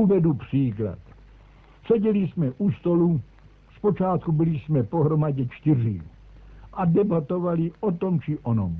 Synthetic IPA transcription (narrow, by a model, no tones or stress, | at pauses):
uvɛdupr̥iːkla̰t̪ | sɛɟɛlismɛʔust̪olu | spot͡ʃaːt̪̚kubɪlismɛpoɦɾomaɟɛt͡ʃt̪irḭ | ʔadɛbat̪ovaliʔot̪omt͡ʃiʔono̰m